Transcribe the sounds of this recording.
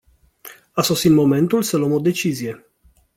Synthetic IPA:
aso̞sit̪mo̞me̞nt̪ulsəlwəmo̞d̪e̞t͡ʃizije̞

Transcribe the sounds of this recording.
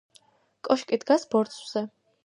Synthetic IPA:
kʼɔʃkʼid̪ɡasbɔɾt̪sʼwz̥ɛ

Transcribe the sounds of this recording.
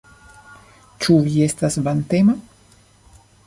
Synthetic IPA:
t͡ʃuvie̞stasvant̪ema

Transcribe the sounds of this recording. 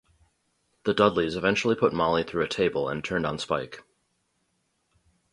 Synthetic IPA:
ðɨdʌdˡlizɨvɛ̃nt͡ʃl̩ˠipʰʊt̚mɑlˠiθɹʉɨtʰeɪbəlˠə̰̃ntʰɜ̃˞ndn̩spaɪk

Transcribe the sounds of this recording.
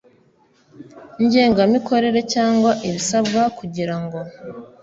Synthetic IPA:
ɲɟe̞ːŋɡamiko̞ɾe̞ɾe̞caːŋɡwaʔiβisabɡakuɟiɾaŋɡo̞

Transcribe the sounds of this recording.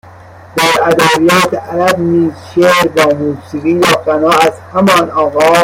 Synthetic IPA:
d̪̥æɾæd̪ɑːbijɒːt̪ʰeʔæɾæbniːzʃeɾbɒːmuːsiɣiːjɒːqænɑːæzhæmɒːnɒːɣɑː

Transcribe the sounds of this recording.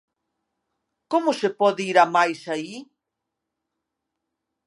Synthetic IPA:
komʊsepɔðɪiɾamajsai

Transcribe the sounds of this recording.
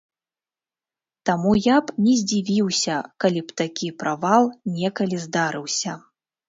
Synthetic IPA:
t̪amujapnʲɛzʲd͡zʲivʲiwsʲɐkalʲipt̪akʲipɾavalˠnʲɛkɐlʲizd̪aɾɨwsʲɐ

